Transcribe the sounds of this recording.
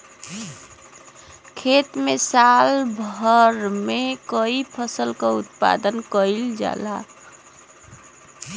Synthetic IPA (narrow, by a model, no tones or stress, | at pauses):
kʰet̪mesalbʱəɾmekəipʰəsəlkaut̪̚pa̰d̪ənkəild͡ʒa̰la